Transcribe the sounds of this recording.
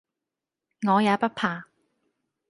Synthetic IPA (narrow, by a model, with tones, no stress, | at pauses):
ŋɔː˨˧jaː˨˧pɐ˥t̚pʰaː˨